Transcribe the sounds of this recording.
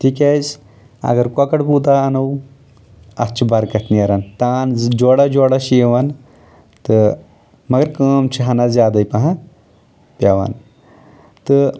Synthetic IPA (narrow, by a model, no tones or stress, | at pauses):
ʈʰikaːz | ɐ̰ɡɐɾkwɐkɐɽpuːt̪aɐnɐw | ɐ̰t͡ʃʰibɐɾkɐt̪ʰniɐɾant̪aːnd͡ʒoːɽad͡ʒoːɽaʃjeʋan | t̪ɨ | mɐɡɐɾkəːmt͡ʃʰiɦɐnazjaːd̪ɐjpɐɦa | pʲjaʋa̰ːn | t̪ɨ